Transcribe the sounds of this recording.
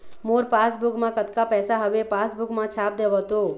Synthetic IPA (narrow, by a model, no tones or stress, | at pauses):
moɾpasbukmãkət̪kapɛːsaɦəʋepasbukmãt͡ʃʰap̚d̪ebɔt̪o